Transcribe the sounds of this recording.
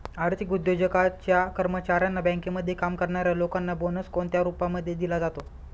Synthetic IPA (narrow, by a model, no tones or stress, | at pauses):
aɽt̪ʰikud̪jod͡ʑəkat͡ɕjakəɾmət͡ɕaɾjanːabə̃ŋkeməd̪ʱːjekamkəɾɳaɾjalokanːabonəskoɳt̪jaɾupaməd̪ʱːjed̪ilad͡zat̪o